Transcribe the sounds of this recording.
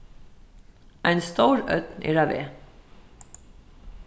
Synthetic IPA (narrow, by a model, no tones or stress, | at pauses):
ʔæɪnst̪oʊɾœ̰t̪nʔḭːɾɑʋḛː